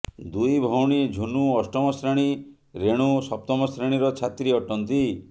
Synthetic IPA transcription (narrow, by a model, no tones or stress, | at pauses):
d̪ujbʱɔwɽ̃id͡ʒʱunuɔsʈɔmɔsɾaɽ̃i | ɾeɽ̃usɔp̚t̪ɔmɔsɾeɽ̃iɾɔt͡ʃʰat̪ɾiɔʈɔnt̪i